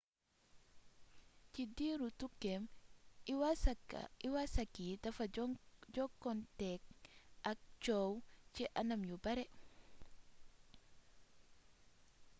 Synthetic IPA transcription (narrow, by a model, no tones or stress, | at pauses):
cidiːɾutukːɛm | w̰ | iwasɐkːitɐfɐd͡ʒɔkːɔntɛk̚ɐk̚t͡ʃɔːwciʔɐnɐmjubɐɾɛ